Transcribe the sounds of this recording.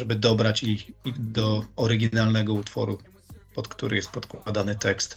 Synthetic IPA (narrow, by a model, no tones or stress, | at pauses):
ɛbɘd̪ɔbɾat͡ɕiid̪ɔɔɾɘɡʲinalnɛɡɔut̪fɔ̰ɾu | pɔt̪kt̪uɾɪjɛst̪̚pɔt̪kwad̪anɘt̪ɛkst̪